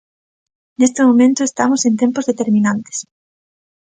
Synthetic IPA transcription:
nest̪emõmẽnt̪ʊest̪amosẽnt̪ẽmpʊzðet̪eɾmĩnãnt̪e̥s

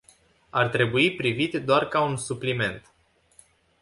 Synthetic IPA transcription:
art̪ɾe̞buipɾivit̪ʲd̪oarkaunsuplime̞nt̪

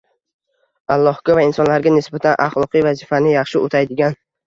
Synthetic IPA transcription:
alˠːɒhɡʲavaɪnsɒnlaɾɡʲanɪsbat̪ʰanʔɑχlˠɒqɨjvazɪfanɪjɑχʃɪʔot̪ʰajd̪ɪɡʲan

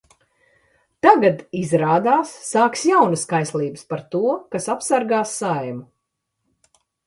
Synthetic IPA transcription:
t̪aɡad̪izɾaːd̪aːsːaːksjawnɐskajslˠiːbɨspaɾt̪uɔkasapsaɾɡaːsːajmu

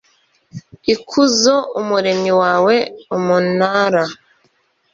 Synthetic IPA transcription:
ikʰuzoumuɾe̞miwaːwe̞umunhaːɾa

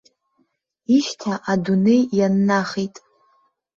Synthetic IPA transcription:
iʃtʰaʔadunejjanːaχitʼ

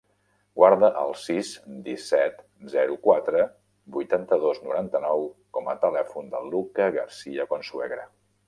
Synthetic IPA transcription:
ɡwaɾðəʔəlˠsizd̪isɛt̪ | zɛɾukwat̪ɾə | bujt̪ant̪əðoznuɾant̪ənɔwkɔmət̪əlɛfund̪ə̰lːukəɣərsiəkwansuɛɣɾə

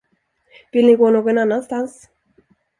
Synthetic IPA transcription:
pilikonokenanast̪ans

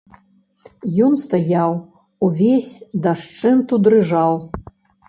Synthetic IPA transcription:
jɔnst̪ajaw | uvʲesʲd̪aʂt͡ʂɨnt̪ud̪ɾɨʐaw

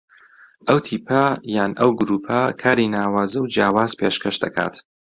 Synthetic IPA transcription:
ʔɐwt̪ʰiːpʰɐjaːnʔɐwɡʊɾuːpʰɐkʰaːɾinaːwaːzɐwd͡ʒjaːwaːzpʰeːʃkʰɐʃd̪ɐkʰa̰ːt̪

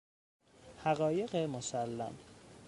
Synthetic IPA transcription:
hæɣɒːje̞ɣemosælːæ̰m

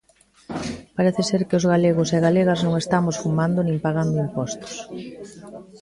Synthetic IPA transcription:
paɾeθɪseɾkɪʊzɣaleɣʊseɣaleɣɐznõŋest̪amosfumand̪ʊnĩŋpaɣ̞and̪oimpɔst̪ʊ̥s

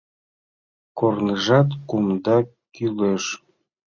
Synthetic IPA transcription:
kornəʒɑt̪kumd̪ɑ | kyleʃ

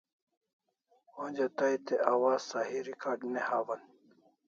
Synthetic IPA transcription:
od͡ʑɐt̪ajt̪eʔawaːsaɦiɾikaːɖnehaːwɐn

